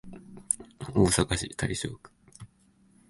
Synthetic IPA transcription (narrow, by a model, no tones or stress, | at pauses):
oːsakaɕit̪ʰaiɕoːkɯ̥